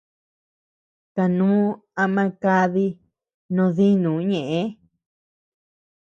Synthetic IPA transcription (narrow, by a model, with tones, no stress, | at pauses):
k̪a˨nũː˦a˧mã˧ka˧ði˧ | nõ˧ði˦nũ˨˦ɲẽ˨ʔẽ˧˦